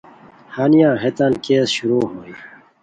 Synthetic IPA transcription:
haːnijãːɦet̪ankeːsɕuɾuːɦoːi

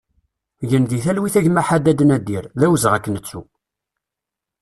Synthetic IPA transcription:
ʝənðiθælwiθæʝmæħad̪æd̪ənæd̪iɾðæwəzʁækːnət͡sːu

